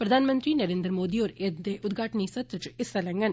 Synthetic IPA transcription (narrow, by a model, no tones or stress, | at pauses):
pɾɐd̪ʱaːnɐmɐnd̪rinɐɾeːnd̪ɾɐmoːd̪ijoːɾeːd̪eʔʊd̪ɡaːʈɐnisɐt̪ɾʈɪsɐlɐŋɡɐn